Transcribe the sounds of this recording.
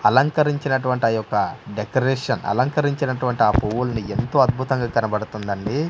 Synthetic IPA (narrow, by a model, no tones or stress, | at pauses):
ɐlɐŋkɐɾiɲt͡ʃinɐʈuʋɐɳʈiɐjɔkːɐɖekɐɾeːʂɐnɐ̰lɐŋkɐɾiɲt͡ʃinɐʈuʋɐɳʈiaːpowulɐnie̞nt̪o̞ːɐd̪̚bʱut̪ɐŋɡaːkɐnɐbɐɽut̪und̪ɐɳɖi